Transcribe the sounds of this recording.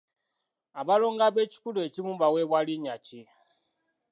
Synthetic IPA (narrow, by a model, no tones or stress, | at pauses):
aβalo̞ːŋɡaβeci̥kulecimumbaweːβwaliɲaci